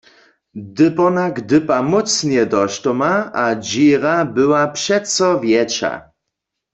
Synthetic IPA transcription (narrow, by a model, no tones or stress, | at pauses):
d̪ɪpɔnaɡd̪ɪpamɔtt͡snɛd̪ɔʃtɔmaad͡ʑiːʁabɪwapʂɛt̪sɔvjɛt͡ʃa̰